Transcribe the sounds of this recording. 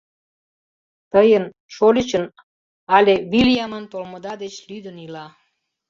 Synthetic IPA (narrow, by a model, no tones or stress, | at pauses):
t̪əjən | ʃolʲit͡ɕən | ɑlʲeβiljɑmənt̪olməd̪ɑd̪et͡ɕlyd̪ənilɑ